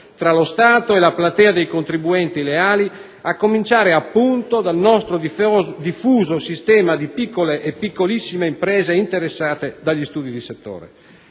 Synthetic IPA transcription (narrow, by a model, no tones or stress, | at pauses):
t̪ɾalost̪aːt̪oelaplat̪ɛːad̪ejkont̪ɾibuɛnt̪ileaːli | akːomint͡ʃaːɾeapːunt̪od̪alnɔst̪ɾod̪ifuːzosist̪ɛːmad̪ipikːoleʔːpːikːolisːimeimpɾɛːzeint̪eɾesːaːt̪ed̪aʎːist̪uːd̪id̪iset̪ːo̰ːɾḛ